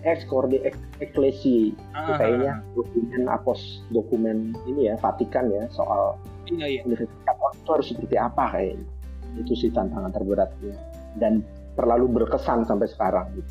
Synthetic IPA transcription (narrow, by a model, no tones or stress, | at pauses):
ʔɛkskɔrdeʔɛk̚ | eklesi | ik̪ukajaɲadokumɛna̰pɔs | dokumɛninijafat̪ikanjaso̰ʔa̰l | unifərsi̥t̪at̪̚ɔit̪uhaɾʊsːəpərt̪iapakaja̰ɲi | it̪usiht̪ant̪aŋant̪ərbəɾat̪̚ɲa | dan | t̪ərlalubərkəsansampajsə̥kaɾaŋɡit̪u